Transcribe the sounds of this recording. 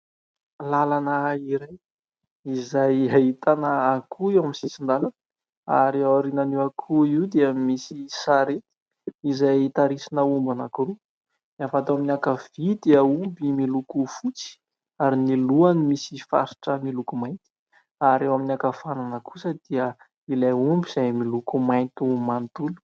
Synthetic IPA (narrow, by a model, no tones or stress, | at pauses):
lalanəiɾaj | izajaɦit̪anəːkʰuewaminsisind̪alan | a̰ɾeaɾinaniwakʰuiwd̪eamisisaɾet̪i̥ | izajt̪aɾisinəumbanakuɾu | nafat̪aminakavid̪iaumbimilukufut͡si̥ | aɾiniluanimisifa̰ɾi̥ʈ͡ʂəmilukumajt̪i̥ | aɾewaminakafananakʰu̥səd̪̥iə | ilajumbiz̥ajmilukumaj̪t̪umant̪ulu̥